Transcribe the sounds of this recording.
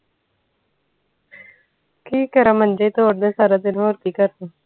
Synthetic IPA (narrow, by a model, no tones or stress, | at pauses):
kiːkəɾamə̃nd͡ʒəit̪oːɽd̪ẽsaːɾad̪ɪnɦoːɾkikəɾt̪a